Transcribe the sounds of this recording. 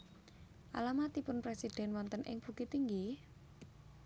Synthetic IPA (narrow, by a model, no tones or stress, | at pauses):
ʔalamat̪ipʊnpɾesid̪̥ɛ̤nwɔnt̪ənʔɪ̰ŋb̥ṳkit̪iŋɡi